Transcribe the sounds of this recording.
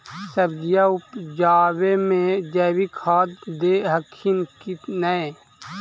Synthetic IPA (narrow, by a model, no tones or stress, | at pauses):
səbd͡ʒijaʊpd͡ʒaːwemẽd͡ʒɛːwikʰaːd̪d̪eɦəkʰinkinəe